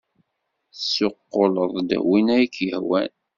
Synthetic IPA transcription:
sːoqːoləðˤd̪æ̰winæjikːjəhwæ̰n

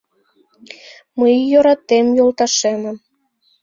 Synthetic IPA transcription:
məjjoɾɑt̪ːemjolt̪ɑʃemə̆m

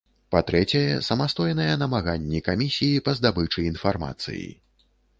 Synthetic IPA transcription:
pat̪ɾɛt͡sʲɐjɛsɐmast̪ɔjnɐjɛnɐmaɣanʲːɛkamʲisʲijipɐzd̪abɨt͡ʂɨinfarma̰t̪sɨ̰jḭ

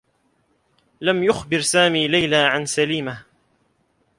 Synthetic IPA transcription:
lamjʊxbɪɾsaːmiːlajlaːʕansaliːmah

